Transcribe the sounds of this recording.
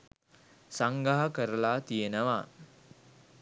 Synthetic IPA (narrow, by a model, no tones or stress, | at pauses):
saŋɡaɦakəɾəlaːt̪ijenəʋa